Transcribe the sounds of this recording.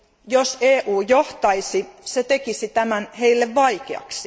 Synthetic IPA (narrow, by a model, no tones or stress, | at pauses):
joseːʔuːjoht̪ɑisiset̪ekisit̪æmænheilːeʋʋɑikeɑ̰ksi̥